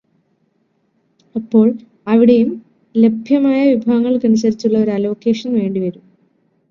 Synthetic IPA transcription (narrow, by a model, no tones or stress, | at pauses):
ɐpːo̞ːɭ | ɐʋiɽejum | le̞bʱjɐmaːjɐʋibʱaːɡɐŋːɐɭkɐnus̬ɐɾit͡ɕːuɭːɐo̞ɾɐlo̞ːke̞ːʂɐnʋe̞ːɳɖiʋɐɾum